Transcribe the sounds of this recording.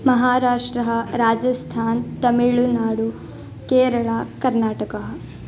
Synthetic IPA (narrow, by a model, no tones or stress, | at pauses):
mɐɦaːɾaːʂʈɾɐɦɐɾaːd͡ʒɐst̪ʰaːnt̪ɐmiɭunaːɽu | keːɾɐɭakɐɾnaːʈɐkɐɦɐ